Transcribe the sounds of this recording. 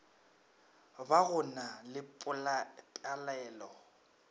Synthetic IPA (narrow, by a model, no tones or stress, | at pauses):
baɣʊnalɪpʼʊlapʼjalɛːlɔ